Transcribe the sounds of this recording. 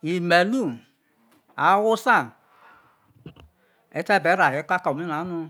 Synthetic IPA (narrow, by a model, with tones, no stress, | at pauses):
i˨me˨lu˦˨ | a˨˦wo˦sa˦˨ | ɛ˨˧˦tɛ˦˨bɛ˨˦ɾa˨e˨˦ka˦ka˨m˦i˦na˨˦nu˧